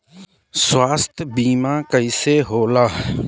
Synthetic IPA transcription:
swaːst̪ʰbiːmãːkəiːseːɦoːlaːɦ

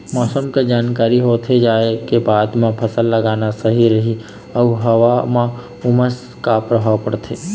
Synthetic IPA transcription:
mɔːsəmked͡ʒaːnkaːɾiɦoːt̪ʰed͡ʒaːekebaːd̪mẽpʰɐsəlːəɡaːnasəɦiɾɐɦi | ɔɦɐʋamã | ʊməs | kapɾəbʱaʋpəɽt̪ʰeː

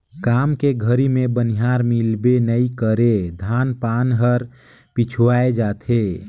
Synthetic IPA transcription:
kaːmkeɡʱəɾimẽbəniɦaːɾmɪlbenəikəɾed̪ʱaːnpaːnɦəɾ | pit͡ʃʰuaːed͡ʒaːt̪ʰe

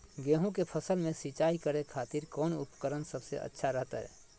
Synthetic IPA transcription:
ɡeːɦũkepʰəsəlmẽsit͡ʃaːikəɾekʰaːt̪iɾkɔːnʊ̰pəkəɾənsəbsḛʔə̰tːʃʰaɾəɦt̪aɦɛ̰ː

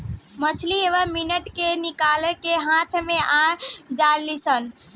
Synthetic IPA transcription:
mət͡ʃʰlieʋəɾminəʈkenikalekeɦãt̪ʰmeʔad͡ʒalːisən

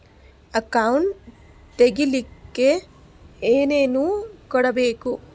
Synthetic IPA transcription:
ɐkɐwɳʈ | t̪eɡilikːe̞ | eːneːnuːkɔɽɐbe̞ːku

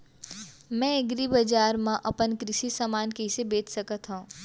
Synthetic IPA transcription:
mɛ̃eɡɾibɐd͡ʒaːɾmãʔɐpənkɾɪʃisamaːnkeɪsebeːt͡ʃsɐkət̪ɦõ

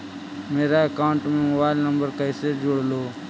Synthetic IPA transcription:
meːɾaːekaːʊɳʈmẽːmobaːɪlnəmbəɾkəiseːd͡ʒoɽloː

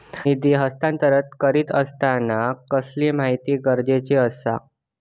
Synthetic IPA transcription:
id̪iɦəst̪ãnt̪əɾət̪kəɾiːt̪əst̪anakəslimaɦit̪iːɡəɾd͡ʑet͡ɕeəsa̰

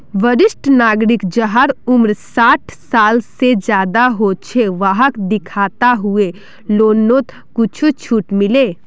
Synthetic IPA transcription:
ʋəɾɪsʈnaːɡɾɪkd͡ʒəɦəɾʊmɾsaːʈʰsaːlsed͡ʒjaːd̪aɦot͡ʃʰeʋaɦəkd̪ɪkʰaːt̪aɦue | loːnːot̪ | kʊt͡ʃʰut͡ʃʰuːʈmɪle

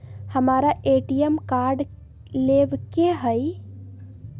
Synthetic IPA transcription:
həmaɾaʔeʈijemkaɾɖ | lebkeɦəj

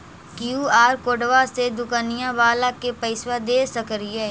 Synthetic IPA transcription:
kjuːaːɾkoːɖʋased̪ʊkaːnɪjãːʋaːlakepəɪsʋad̪eːsəkɾieː

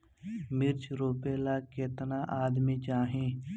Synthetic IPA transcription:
mɪɾt͡ʃɾoːpeːlaːket̪naʔaːd̪mit͡ʃaːɦẽː

